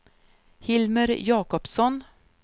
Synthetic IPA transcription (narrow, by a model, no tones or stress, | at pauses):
hɪlməɾjɑːkɔpsɔn